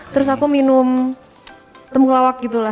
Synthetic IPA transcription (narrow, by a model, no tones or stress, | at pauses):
t̪əɾʊs̬akuminʊm | t̪əmkəlawak̚ɡit̪ula